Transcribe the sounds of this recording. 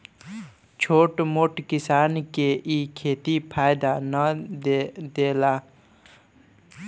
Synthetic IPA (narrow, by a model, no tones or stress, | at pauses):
t͡ʃʰoːʈmoʈkisaːnkeʔikʰeːt̪ipʰaːjd̪anə | d̪eːlaː